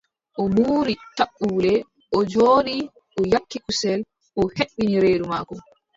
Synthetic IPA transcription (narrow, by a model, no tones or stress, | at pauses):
ʔɔmuːɾitaɓːuːlɛ | ʔɔd͡ʒoːɗi | ʔɔjakːikusɛl | ʔɔheɓːiniɾeːɗumaːkɔm